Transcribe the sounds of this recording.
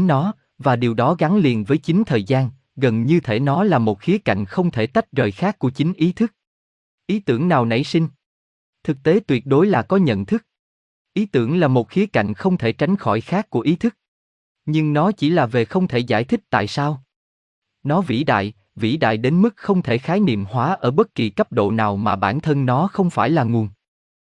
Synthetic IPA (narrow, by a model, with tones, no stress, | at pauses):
ŋɔ˨˦ | vaː˨˩ɗi˨˩əwɗɔ˨˦ɣa˨˦ŋli˨˩ənvəː˨˦jt͡ɕï˨˦ŋ̟t̪ʰəː˨˩jzaː˧n | ɣə˨˩nɲɨ˧t̪ʰe˧˩nɔ˨˦laː˨˩mo˨˩t̚xi˨˦əka̰˧˨jŋ̟xə˧wŋ͡mt̪ʰe˧˩t̪a˦˥jt̚zəː˨˩jxaː˦˥kːu˧˩ət͡ɕï˨˦ŋ̟ʔi˨˦t̪ʰɨ˦˥k̚ | ʔi˨˦t̪ɨ˧˩əŋnaː˨˩wnə̰˧˩jsï˧ŋ̟ | t̪ʰɨ˨˩k̚t̪e˨˦t̪wi˨˩ət̚ɗo˨˦jlaː˨˩kɔ˨˦ɲə̰˧˨nt̪ʰɨ˦˥k̚ | ʔi˨˦t̪ɨ˧˩əŋlaː˨˩mo˨˩t̚xi˨˦əka̰˧˩jŋ̟xə˧wŋ͡mt̪ʰe˧˩t͡ɕa˨˦jŋ̟xɔ˧˩jxaː˦˥kːu˧˩əʔi˨˦t̪ʰɨ˦˥k̚ | ɲɨ˧ŋnɔ˨˦t͡ɕi˧˩laː˨˩ve˨˩xə˧wŋ͡mt̪ʰe˧˩za̰ː˧˩jt̪ʰï˦˥k̚t̪a̰ː˧˨jsaː˧w | nɔ˨˦vḭ˧˩ɗa̰ː˧˨j | vḭ˧˥ɗa̰ː˧˨jɗe˨˦nmɨ˦˥k̚xə˧wŋ͡mt̪ʰe˧˩xaː˨˦jnḭ˧˨əmhwaː˨˦ʔəː˧˩ɓə˦˥t̚ki˨˩kə˦˥p̚ɗo̰˧˨naː˨˩wmaː˨˩ɓaː˧˩nt̪ʰə˧nnɔ˨˦xə˧wŋ͡mfaː˧˩jlaː˨˩ŋu˨˩ən